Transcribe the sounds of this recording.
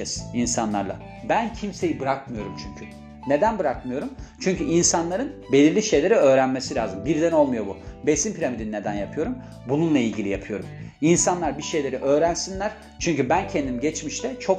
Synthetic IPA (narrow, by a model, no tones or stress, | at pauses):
ɛsinsanlˠa̰ɾlˠa̰ | bæncʰimse̞jibɯɾakmɯjo̞ɾumt͡ʃʰyɲcʰy | ne̞d̪ænbɯɾakmɯjo̞ɾumt͡ʃʰyɲcyinsanlˠaɾɯnbe̞lʲiɾlʲiʃe̞jlʲe̞ɾiø̞ːɾænmesilʲaːzɯmbiɾd̪æno̞lˠmujo̞bube̞simpʰiɾʲamid̪inine̞d̪ænjapʰɯjo̞ɾum | bununlˠailʲɟilʲijapʰɯjo̞ɾuminsanlˠaɾbiʃe̞jlʲe̞ɾiʔø̞ːɾænsinlʲæɾ̥ | t͡ʃʰyɲcybæncʰend̪imiɟɛt͡ʃmiʃt̪ʰɛt͡ʃʰo̞k